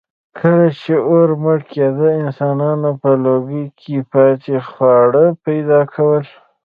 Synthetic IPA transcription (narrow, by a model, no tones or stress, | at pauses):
kʰəlat͡ʃeoɾməɽked̪əɪnsɑnɑnopəloɡəjkʰipɑt̪exwɑɽəpajd̪ɑkʰawəl